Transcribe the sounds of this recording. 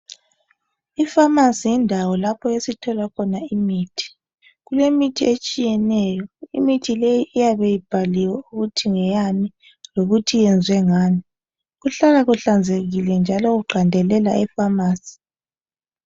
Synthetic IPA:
ifamasijindʱawɔlapʰɔesitʰɔlakʰɔnaimiːtʰi̥ | ɣulemitʰiet͡ʃʼijɛnɛjɔḭmitʰilejiʔːjaβejib̥ʱaliwɛuɣutʰiŋɛjani | loɣutʰijɛnd͡zʱwɛŋaːni | ɣuɬalaɣuɬand͡zʱeɣilɛnd͡ʒʱalɔɣuɡ͡ǃʱandʱɛlɛlaɛfamaːsi̥

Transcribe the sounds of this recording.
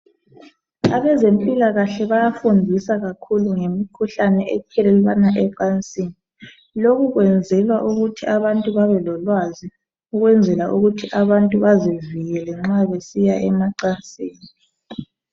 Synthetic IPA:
aβɛzempʼilaɣaɬɛβajafundʱisaɣakʰuluŋemikʰuɬanɛʔɛkʰɛlɛlwanaʔɛǃant͡sʼiːni | loɣuɣwɛnd͡zʱɛlwaʔuɣutʰiaβantʼuβaβɛlɔlwazi | uɣwɛnd͡zʱɛlaʔuɣutʰiʔaβantʼuβaziviɣɛlɛŋ͡ǁaβesijaʔɛmaǃant͡sʼiːni

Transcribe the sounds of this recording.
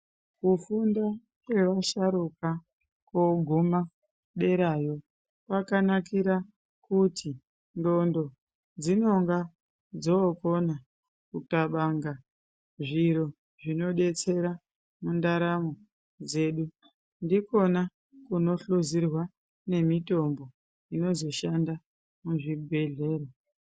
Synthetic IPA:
kufunda | kwe̞ʋaʃaɾuka | koɡʱuma | ɗe̞ɾajo̞ | pakanakiɾa | kutʰi | ndo̞ndo̞ | d͡zino̞ŋɡa | d͡zoko̞na | kutaɓaŋɡa | ʐiɾo̞ | ʐino̞ɗe̞t͡se̞ɾa | mundaɾamo | d͡ze̞ɗu | ndiko̞na | kuno̞ɬuzirwa | ne̞mito̞mbo̞ | ino̞zo̞ʃanda | muʐibʱe̞ɮe̞ːro

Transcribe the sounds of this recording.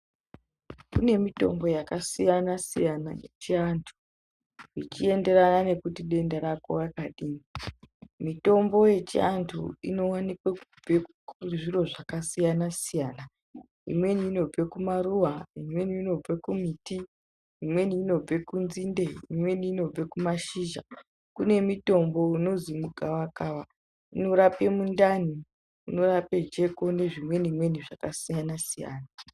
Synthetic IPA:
kune̞mito̞̰mbo̞jakasijanasijana̰jḛt͡ʃiantʰu̥ | it͡ʃie̞nde̞ɾanane̞kutiɗe̞ndaɾako̰jakaɗiːni | mito̞mbo̞je̞t͡ʃḭantʰṵḭno̞wanikwakub͡vek | uʐiro̞ʐakasijanasijaːna | ḭmwe̞niːno̞b͡ve̞kumaruwaimwe̞niːno̞b͡vekumiti | imwe̞niːno̞b͡ve̞kunzindeimwe̞niːno̞b͡vekumaʃiːʒa̰ | kune̞mito̞mbo̞uno̞zimuɡʱawakaːwa | ino̞ɾape̞mundani | uno̞rape̞d͡ʒe̞ko̞ne̞ʐimwe̞nimwe̞niʐakasijanasija̰ːna

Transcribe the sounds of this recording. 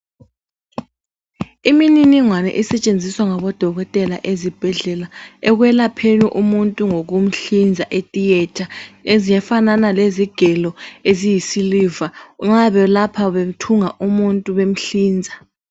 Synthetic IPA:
imininiŋwanɛ̰ʔisɛt͡ʃʼend͡zʱiswaŋaβɔd̥ʱɔɣɔtʼɛlaʔezib̥ʱɛɮɛlaɛɣwɛlapʰeniʔumuntʼuŋoɣum̩ɬind͡zʱaʔetʼijɛtʰaezijɛfananaleziɡ̥ʱɛlɔezijisilivaŋ͡ǁaβɛlapʰaβem̩tʰuŋaʔumuntʼuβem̩ɬiːnd͡zʱa

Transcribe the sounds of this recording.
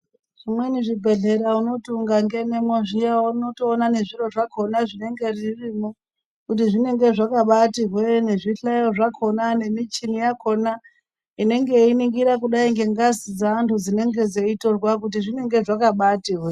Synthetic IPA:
ʐ̥imwe̞niʐibʱe̞ɮe̞ɾauno̞tuŋɡaŋɡe̞ne̞moʐijawunotoːnane̞ʐiro̞ʐakʰo̞naʐine̞ŋɡe̞ririmo | kut̬iʐine̞ŋɡe̞ʐakaɓatiɦwene̞ʐiɬajoʐakʰo̞nane̞mit͡ʃinijakʰo̞na | ine̞ŋɡe̞iniŋɡiɾakuɗaiŋɡe̞ŋɡazid͡zaːntʰud͡zine̞ŋɡe̞d͡ze̞ito̞rwak̬ut̬iʐine̞ŋɡe̞ʐakaɓatiwe

